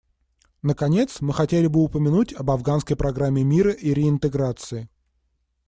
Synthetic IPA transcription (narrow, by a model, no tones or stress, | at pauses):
nəkɐnʲe̞t̪smɨxɐtʲelʲɪbɨʊpəmʲɪnutʲɐbɐvɡanskəjpɾɐɡɾamʲːɪmʲiɾəʔiɾʲɪɪnt̪ɨɡɾat̪sɨɪ